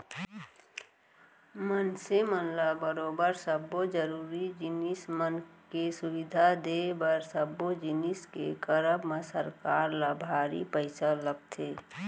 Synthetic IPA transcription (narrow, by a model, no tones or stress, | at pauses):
mənsemənlabəɾoːbəɾsəbod͡ʒəɾuːɾid͡ʒɪnɪsmənkesʊwɪd̪ʱad̪ebəɾsəbːod͡ʒɪniskḛkəɾəbmə̃səɾkaːɾlabʱaːɾḭpəɪsaləɡ̚t̪ʰeː